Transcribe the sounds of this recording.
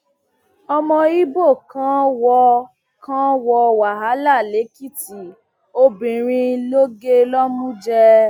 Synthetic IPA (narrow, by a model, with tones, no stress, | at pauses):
ɔ˧mɔ̃˧i˦bo˦˨kã˦wɔ˧ | kã˦wɔ˧wa˨ɦa˨˦la˦˨le˨˦ki˦˨ti˨ | o˧bĩ˨ɾ̃ĩ˧lo˦ɡe˦lɔ˦mũ˦d͡ʒɛ˧